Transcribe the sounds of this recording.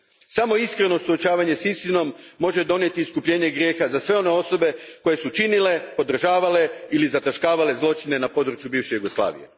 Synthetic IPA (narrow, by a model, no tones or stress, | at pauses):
samo̞iskɾe̞no̞suot͡ʃaːʋaɲesist̪ino̞mːo̞ʒe̞d̪o̞nje̞t̪iːskupʎe̞ːɲeɡɾje̞ːxazasʋe̞o̞ne̞o̞so̞be̞ko̞je̞sut͡ʃinile̞po̞d̪r̩ʒaːʋale̞ilizat̪aʃkaːʋale̞zlˠo̞t͡ʃine̞napo̞d̪ɾut͡ʃjubiːʋʃejuɡoslˠa̰ːʋḭjḛ